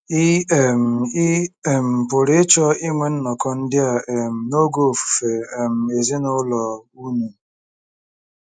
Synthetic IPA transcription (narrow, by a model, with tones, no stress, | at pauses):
i˦e˨m̩˨i˦e˨m̩˨pʊ˨ɾɪ˦t͡ʃɔ˦i˦ŋʷe˨n̩˦nɔ˨kɔ˦n̩˦dɪ˦a˨e˨m̩˨no˦ɡo˦˨fu̥˨fe˨e˨m̩˨e˨zi˦nʊ˦lɔ˨u˦nu˨